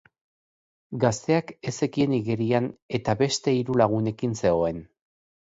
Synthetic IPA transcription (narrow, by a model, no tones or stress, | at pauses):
ɡast̪e̞ake̞se̞kie̞niɣeɾiane̞t̪aβe̞st̪e̞iɾulaɣ̞une̞kinse̞o̞e̞n